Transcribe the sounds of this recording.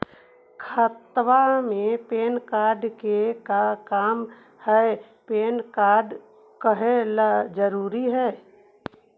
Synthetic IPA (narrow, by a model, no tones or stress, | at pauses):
kʰət̪ʋamẽpeːnkaːɾɖkekakaːm | hɛ | peːnkaːɾɖ | kəɦelad͡ʒəɾuːɾiɦɛː